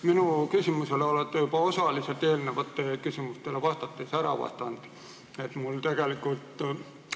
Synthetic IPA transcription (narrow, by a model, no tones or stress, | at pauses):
minukysymuseleolet̪ːejupɑosɑliselt̪elneʋɑt̪ːekysimust̪eleʋɑst̪ɑt̪ːesæɾɑ̰ʋɑ̰st̪ɑnd̪̥ | et̪mult̪eɡ̥elikult̪